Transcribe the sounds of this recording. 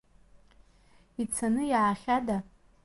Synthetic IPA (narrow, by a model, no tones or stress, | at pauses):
it͡sʰanɨjʕaχʲada